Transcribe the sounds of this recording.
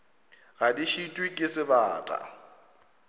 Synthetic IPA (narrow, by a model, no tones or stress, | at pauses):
ɣadiʃitʼwikʼɪsɪbaːtʼa̰